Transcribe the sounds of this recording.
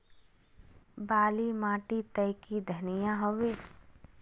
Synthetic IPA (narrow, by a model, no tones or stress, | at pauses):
baːlimãːʈit̪əjkid̪ʱɐnijãɦoʋeː